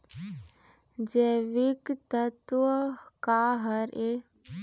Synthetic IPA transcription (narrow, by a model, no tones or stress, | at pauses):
d͡ʒeʋikt̪ət̪wəkaːɦəɾe